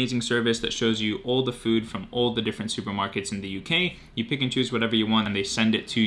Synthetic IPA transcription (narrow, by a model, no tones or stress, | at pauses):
eɪzɪ̃ŋsɜ˞vɨsðɨ̰tʃoʊzjɨʔɔlˠðəfʉd̥fɹʌ̃mɔlˠðɨdɪfɹɨ̃ntsʉpə˞mɑɹkɨtsn̩ðɨjʉkʰeɪ | jɨpɪkɨ̃nt͡ʃʰʉzwʌɾɛvə˞jɨwɑ̃ñnðeɪsɛ̃ndɨtʰɨ